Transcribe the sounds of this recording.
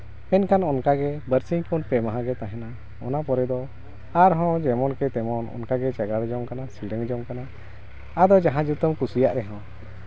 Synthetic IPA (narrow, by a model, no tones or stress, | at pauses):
pɛnkanɔnkaɡɛbəɾsiŋkɔnpɛmaɦãɡɛt̪ãɦɛna | ɔ̰napɔɾɛd̪ɔ | aɾɦɔ̃d͡ʒɛmɔnkɛt̪ɛmɔnɔ̰nkaɡɛt͡ʃaɡaɽd͡ʒɔmkanasiɽəŋd͡ʒɔmkana | ad̪ɔd͡ʒaɦãd͡ʒut̪əmkusijaʔɾɛɦɔ̃